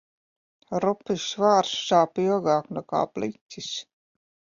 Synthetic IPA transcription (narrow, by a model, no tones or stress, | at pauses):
ɾupisvaːɾsʃaːpiɔɡaːknɛka̰ːplitʲːis